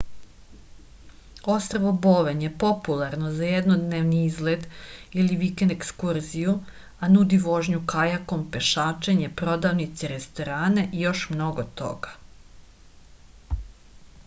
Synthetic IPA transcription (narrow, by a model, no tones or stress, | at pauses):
o̞st̪ɾoʋobo̞ʋeɲepo̞pulˠaɾnozajed̪nod̪neːʋniizled̪iliʋikend̪ekskuɾziju | anud̪iʋo̞ːʒɲukajako̞mpe̞ʃaːt͡ʃeɲepɾo̞d̪aʋnit̪seɾest̪o̞ɾaːneʔijo̞ʃmno̞ɡot̪o̞̰ɡḁ